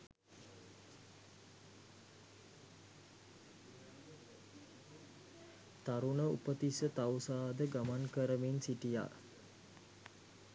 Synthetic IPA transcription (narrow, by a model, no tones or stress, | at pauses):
t̪aɾunəṵpət̪isət̪awsaːd̪əɡamankəɾəminsiʈija̰